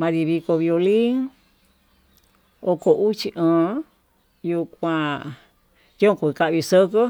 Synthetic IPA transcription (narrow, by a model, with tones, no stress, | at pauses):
mã˧ɾi˧βi˧ko˧βjo˧li˦ŋ | o˧ko˧ʔu˦t͡ʃi˧ʔə̃ː˨ | ju˧kʷã˧ | jõ˦kʷu˧ka˧ʔβi˧sə˦kə˦